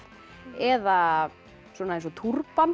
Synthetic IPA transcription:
ɛða | swɔːnaensɔt̪ʰurpan

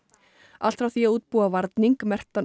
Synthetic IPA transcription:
al̥t̪ɾawθiauːt̪̚puːavaɾt̪niŋkmɛr̥t̪an

